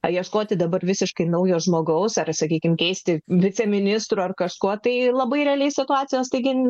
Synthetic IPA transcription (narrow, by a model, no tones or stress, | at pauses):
ɐjiɛʃkoːt̪ʲɪd̪ɐbɐrʋʲɪsʲɪʃkɐɪnɐʊjoːʒmoːɡɐʊsɐrsɐkʲiːkʲɪmkʲɛɪsʲt̪ʲɪʋʲɪt͡sʲɛmʲɪnʲɪst̪ɾuːɐrkɐʃkuɔt̪ɐɪlˠɐbɐɪɾʲɛːlʲeɪsʲɪt̪ʊɑːt͡sʲɪjoːst̪ɐɪɡʲɪ